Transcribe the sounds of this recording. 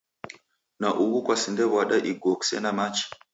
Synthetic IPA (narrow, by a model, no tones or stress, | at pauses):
naʔuβukwasindɛβaɗaʔiɡɔksɛ̰namat͡ʃi̥